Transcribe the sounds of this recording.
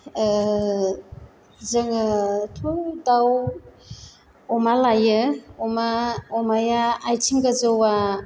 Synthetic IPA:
zəŋɯtʰudaw | ɔmalajɯɔmaɔmajaːjtʰiŋɡazɯwa

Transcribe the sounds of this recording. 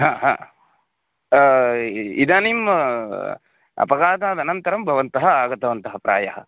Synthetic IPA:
ɦãːɦã̰ː | id̪aːnim | ɐ̰pɐɡaːt̪aːd̪ɐnɐnt̪ɐɾɐmbʱɐʋɐnt̪ɐɦɐaːɡɐt̪ɐʋɐnt̪ɐɦɐpɾa̰ːjɐɦɐ̰

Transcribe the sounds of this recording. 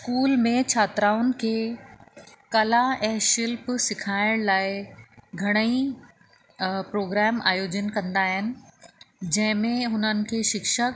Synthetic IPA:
skuːlmẽt͡ɕʰaːt̪ɾaːʊnɪ̆kʰeː | kɐlaɛ̃ːʃɪlpsɪkʰaːɪɽ̃laːɪɡʱɐɽ̃əi | pɾoːɡɾɛːma̰ːjoːd͡ʑənkɐ̃nd̪aːɦɪnɪ̆ | d͡ʑɐ̃ɦɪ̃mẽɦʊnənɪ̆kʰeːʃɪkʃək

